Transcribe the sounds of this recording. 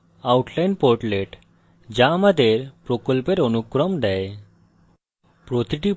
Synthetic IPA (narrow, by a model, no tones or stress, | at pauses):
awʈʰlajnpoɾʈleʈ | d͡ʑamad̪ʱeɾpɾokolpeɾonukːɾɔmd̪ɛe | pɾot̪iʈi